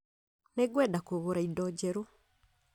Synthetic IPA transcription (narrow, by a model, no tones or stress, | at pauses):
neɡwɛːdakoβoɾaidɔɟɛɾo